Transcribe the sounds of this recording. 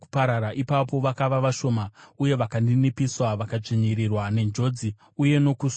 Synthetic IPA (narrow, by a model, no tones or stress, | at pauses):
upaɾaɾaʔipap̬o̞ʋakaʋaʋaʃo̞ːmauje̞ʋakandinipiswaʋakat͡ʂeɲiɾirwane̞nd͡ʒo̞d͡zi | uje̞no̞kus